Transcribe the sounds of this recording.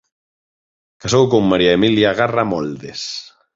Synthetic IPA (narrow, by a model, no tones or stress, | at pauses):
kasowkomːaɾiaemiljaɣaramɔld̪es